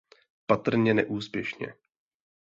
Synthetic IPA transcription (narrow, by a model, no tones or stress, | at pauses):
pat̪r̩ɲɛnɛʔuːspjɛʃɲɛ̰